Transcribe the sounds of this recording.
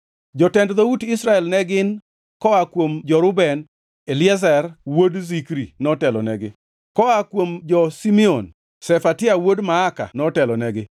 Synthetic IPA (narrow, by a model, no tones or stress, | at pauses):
d͡ʒɔtɛndðoutɪsɾaɛlnɛɡɪn | kɔakwomd͡ʒɔɾʊbɛn | elɪɛzɛrwodzikɾinɔtɛlɔnɛɡɪ | kɔakwomd͡ʒɔsimion | sɛfatɪawodmaːka̰nɔtɛlɔnɛɡɪ